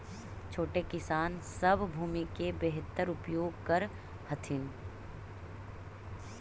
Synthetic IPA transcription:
t͡ʃʰoːʈekɪsaːnsɐbʱbʱuːmikebeɦt̪ːəɾʊpjoːɡkɐɾ | hɐt̪ʰɪn

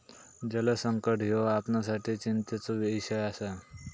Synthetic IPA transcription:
d͡ʒələsəŋkəʈjoapnasaʈ̪ʰit͡ɕint̪ət͡soʋesaasa

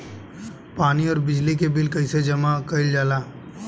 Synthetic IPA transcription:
paːniɔːɾbɪd͡ʒlikebɪlkəɪsed͡ʒɐmakəɪld͡ʒaːlaː

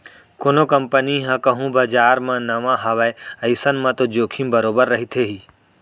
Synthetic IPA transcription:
konokɐmpəniɦãkɐɦũbad͡ʒaːɾmãnɐʋãɦɐʋaeɐɪsənmãt̪od͡ʒoːkʰĩmbəɾoːbəɾːɐɦit̪ʰeɦiː

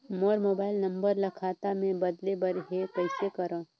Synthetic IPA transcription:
moːɾmoːbaːɪlnɐ̃mbəɾlɐkʰaːt̪amẽbɐd̪lebəɾɦekəɪsekəɾãː

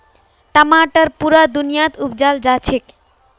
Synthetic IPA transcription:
ʈamaʈaɾpuɾad̪unijat̪upd͡ʑald͡ʑat͡ɕʰek

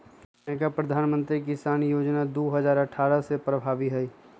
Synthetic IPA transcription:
k | ɛkapɾəd̪ʱaːnmə̃nt̪ɾikɪsaːnjoːd͡ʒnad̪oːɦəzaːɾəʈʰaːɾasepɾəbʱaːʋiɦɛi

